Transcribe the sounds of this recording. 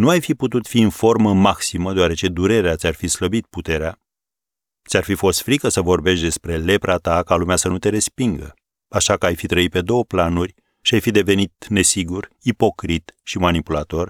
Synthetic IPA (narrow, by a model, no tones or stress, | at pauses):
nuajfiput̪ut̪fiɨnfo̞rməmaksiməd̪oaɾe̞t͡ʃe̞d̪uɾe̞ɾeat̪sʲarfisləbit̪̚put̪e̞ɾea | t̪sʲarfifo̞st̪fɾikəsəvo̞rbe̞ʃt̪d̪e̞spɾe̞le̞pɾat̪akalumeasənut̪e̞ɾe̞spiŋɡə̰ | aʃakəajfit̪ɾəit̪̚pe̞d̪o̞wəplanurʲ | ʃiajfid̪e̞ve̞nit̪ne̞siɡuripo̞kɾit̪ʃimanipulat̪o̞r